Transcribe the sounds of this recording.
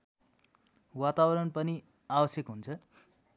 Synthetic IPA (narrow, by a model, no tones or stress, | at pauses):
wat̪abʌɾʌnpʌni | abʌsjʌkɦunt͡sʰʌ